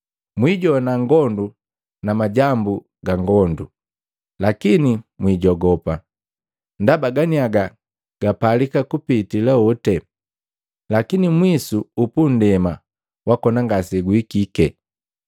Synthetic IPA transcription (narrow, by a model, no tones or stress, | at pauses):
mwiɟɔnaŋɡɔndu | namaɟambu | ɡaŋɡɔndu | lakinimwiːɟɔɡɔpa | ndabaɡaniaɡa | ɡ̥apalikakupitilaɔtɛ | lakinimwisuupun̩dɛma | wakɔnaŋɡasɛɡwikikɛ